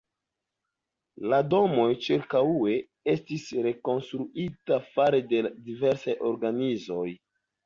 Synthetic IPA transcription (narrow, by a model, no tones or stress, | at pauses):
lado̞mo̞jt͡ʃiɾkawue̞ | e̞stisɾe̞ko̞nstɾuʔitafaɾededive̞ɾsajo̞ɾɡanizo̞j